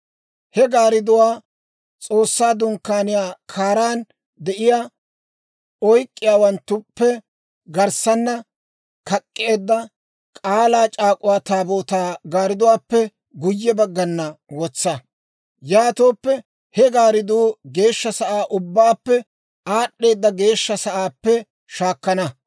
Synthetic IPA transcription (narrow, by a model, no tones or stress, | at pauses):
hɛɡaːɾɪd̪ʊwaː | t͡sʼo̞ːsːaːd̪ʊŋkːaːnɪjaːkʰaːɾaːn | d̪ɛʔɪjaː | ɔjkʼːɪjaːwɐnt̪ːʊpːɛ | ɡɐɾsɐnːɐ | kɐkʼːɪeːd̪ːɐ | kʼaːlaːt͡ʃʼaːkʼʊwaːt̪aːboːt̪aːɡaːɾɪd̪ʊwaːpːɛ | ɡʊjːɛbɐɡːɐnːɐwɔt͡sːɐ | jaːt̪oːpːɛ | hɛɡaːɾɪd̪uːɡe̞ːʃːɐsɐʔaːʔʊbːaːpːɛ | aːɗːe̞ːd̪ːɐɡe̞ːʃːɐsɐʔaːpːɛ | ʃaːkːɐnɐ